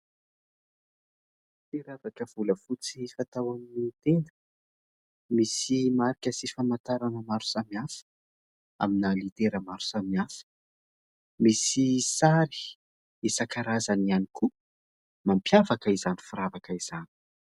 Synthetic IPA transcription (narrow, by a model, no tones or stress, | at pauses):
t̪eɾavakəv̥uləfut͡sifat̪awaminit̪end̪ə̥ | misimaɾikʲəsifamat̪aɾanəmaɾu̥samiafə̥ | a̰minəlit̪eɾəmaɾu̥samiafə̥ | misisaɾi̥ | esakaɾazanianikʰu | mampjavakəizanifuɾavakəiz̥ani̥